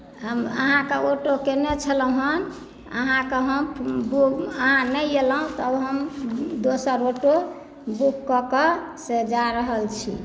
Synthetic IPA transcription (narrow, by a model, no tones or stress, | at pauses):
ɦəmə̰ɦãkeoʈokenet͡ʃʰələɦən | ə̰ɦãkeɦəmbuəɦãnɛjeləɦũt̪ɔəbɦəmd̪osəɾoʈo | bukːɔkɔsed͡ʒaɾəɦəlt͡ʃʰḭ